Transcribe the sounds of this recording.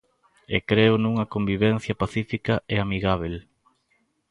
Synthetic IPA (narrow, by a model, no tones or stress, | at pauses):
ḛkɾeʊnuŋɐkombiβ̞en̟θjɐpaθifikɐʔeamiɣaβ̞el